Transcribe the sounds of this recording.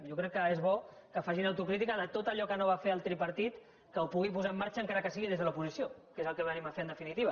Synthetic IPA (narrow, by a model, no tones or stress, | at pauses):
jokɾɛkːəezβɔkəfaʒinəwt̪ukɾit̪ikəðət̪ot̪əʎɔkənoβ̞afeəlˠt̪ɾipɐɾt̪it̪ | kəwpuɣipuzaəmːaɾt͡ʃəːŋkaɾəkəs̬iɣiðezðəlupuzisijokezəlˠkəβənimafeənd̪əfinit̪iβ̞ə